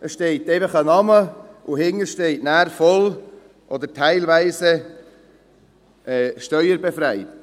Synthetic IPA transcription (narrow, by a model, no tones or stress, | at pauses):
əsʃtɛɪteɪfəχənɑməʔʊhɪŋəʃtɛɪtnæːɾfɔl | ʔɔd̪ətʰæɪlvæɪsə | ɛʃtœʏəɾbɛfɾæɪt